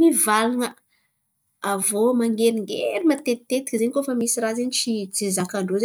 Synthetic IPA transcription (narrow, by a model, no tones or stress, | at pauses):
mivalaŋə | avomaŋɡeɾiŋɡḛɾimat̪et̪ːet̪i̥kʲzeɲikofəmisirazeɲit͡ʃit͡sezakaɳɖ͡ʐoze